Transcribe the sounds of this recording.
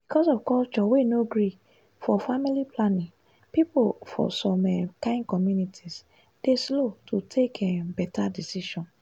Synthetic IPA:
b̥ikʰɔsɔvkɔlt͡ʃɔwenoɡɹi | fɔfamilipʰlanĩŋ | pipofɔ̰sɔ̃mɛkãɪ̃nkɔmjunitʰis | d̥eslotʰutʰekʰɛbɛtadisiʃɔ̃n

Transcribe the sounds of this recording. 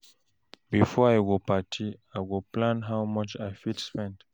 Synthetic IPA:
bifɔajwopatʰiajwuplãnɦawmʌt͡ʃajfitspɛ̃nt

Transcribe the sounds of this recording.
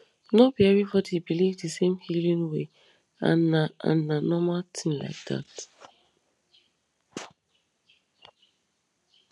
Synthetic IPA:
nobiɛɹifɔdhibilivdəsẽmhilĩnwe | ã̰nnaʔã̰n̩ːanɔmatʰĩnla̰ɪk̚d̥a̰t

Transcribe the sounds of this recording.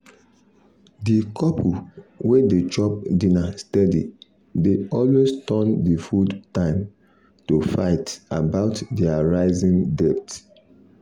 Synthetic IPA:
dikʰɔpʰuwedet͡ʃɔp̚dĩnastɛdḭ | deɔlwestɔ̃ndifudtãɪ̃m | tufa̰ɪtabaʊtdiaɹaɪzĩndɛp̚t

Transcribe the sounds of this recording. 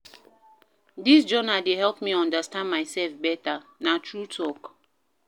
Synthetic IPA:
disd͡ʒɔnadeɦɛlpmiɔ̃ndastãndmaɪsɛlfbɛtanatɹutʰɔk

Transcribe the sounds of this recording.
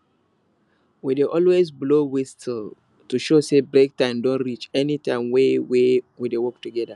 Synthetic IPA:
wideʔɔlwezblowistl | tuʃosebɹek̚tãɪ̃mdõnɹit͡ʃɛnitãɪ̃mwewewidewɔk̚tuɡɛda

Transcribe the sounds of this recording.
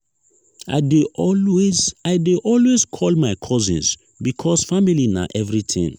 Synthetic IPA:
a̰ɪdeɔlwezaɪdeʔɔlweskʰɔlmaɪkʰɔzḭ̃ns | bikʰɔsfamilina̰ʔɛvɹitʰḭ̃ŋ

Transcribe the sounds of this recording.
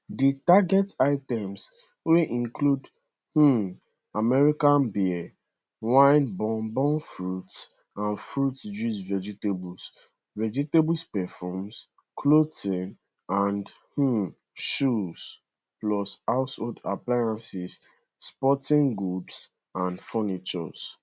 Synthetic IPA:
ditaɡɛtaɪtɛ̃ms | weʔĩnklud | h̩ | amɛɹikãnbi | wãɪ̃nbɔ̃nbɔ̃nfɹuts | ãnfɹutd͡ʒusvɛd͡ʒitebuls | vɛd͡ʒitebuspɛfɔms | kʰlotĩn | ãndh̩ | ʃus | plɔsaʊsɔda̰plajãnsis | spɔtĩŋɡɹups | ãndfɔnit͡ʃɔ̰s

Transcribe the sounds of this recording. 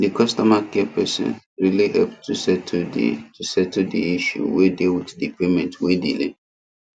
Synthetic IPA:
dikʰɔstɔmakɛɛpʰɛsɪ̰̃n | ɹilihɛlptʰusɛtʰdḭtʰusɛtdiiʃṵwedewiddipemɛ̃ntwedḭlḛ

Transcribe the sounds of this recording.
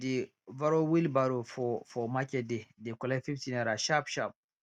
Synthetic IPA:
di | vaɾowilbaɾofɔfɔmakɛdedekɔlɛfiftinaɾaʃapʃap̚

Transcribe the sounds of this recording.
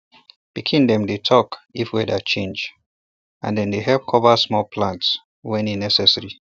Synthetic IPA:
b̥ikʰĩndɛ̃mdetʰɔkifwɛdat͡ʃʰẽnd͡ʒ | ã̰ndɛ̃ndeɦɛlp̚kʰɔvəsmɔlpʰlãnts | wɛ̃ninɛsɛsəɹi

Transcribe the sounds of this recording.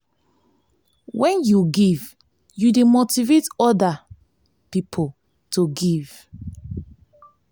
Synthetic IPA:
wɛ̃njuɡiv | judemotivetɔda | pipʰo | toɡiv̥

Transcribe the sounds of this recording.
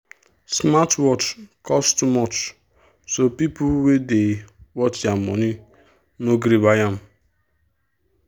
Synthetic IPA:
smatwɔt͡ʃkʰɔstumɔt͡ʃ | sopipuwedewɔtjamɔ̰ni | noɡɾibajam̩

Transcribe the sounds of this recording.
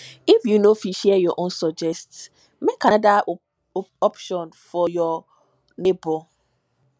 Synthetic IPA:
ifjunofiʃɛɛjɔʔõnsɔd͡ʒɛst | mekada | ɔpʃɔ̃nfɔjɔ | nebo

